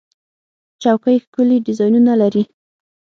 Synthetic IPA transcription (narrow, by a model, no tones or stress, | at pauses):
t͡ʃawkəjxkʊliɖɪzɑjnunalaɾi